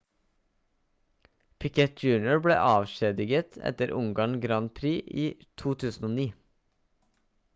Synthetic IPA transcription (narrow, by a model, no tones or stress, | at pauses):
pʰɪkʰɛt̪̚d͡ʒʉːnɪʊɹbɽḛːʔɑːʋʃeːd̪ɪɡət̪ʰɛ̰t̪əɾʔʊŋɡɑːɳɡɾɑnpʰɾiːʔiːt̪ʰuːt̪ʰʉːsn̩oːniː